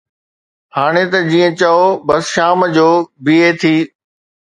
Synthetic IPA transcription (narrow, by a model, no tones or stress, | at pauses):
haːɽ̃et̪ɐd͡ʑĩːə̃t͡ɕɐobɐsʃaːməd͡ʑoːbiːet̪ʰiː